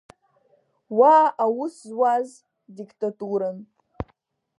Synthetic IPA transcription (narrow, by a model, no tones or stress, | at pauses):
waʔawʊszwaz | diktʼatʼuɾan